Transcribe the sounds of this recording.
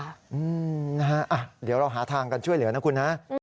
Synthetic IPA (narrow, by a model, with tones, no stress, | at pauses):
ʔɯː˧na˦˥ɦa˦˥ʔa˨˩d̪iː˩˦əwɾa˧wɦaː˩˦t̪ʰaː˧ŋka˧nt͡ɕʰu˥˩jlɯ˩˦ɐna˦˥kʰu˧nha˦˥ʔ